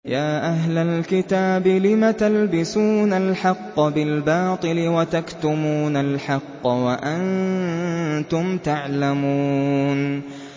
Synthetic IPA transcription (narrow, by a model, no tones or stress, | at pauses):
jaːʔaɦlalkɪt̪aːbɪlɪmat̪albɪsuːnalħɑqːɑbɪlbɑːt̪ˤɨlɪwat̪akt̪ʊmuːnalħɑqːɑwaʔan | t̪ʊmt̪aʕlamuːn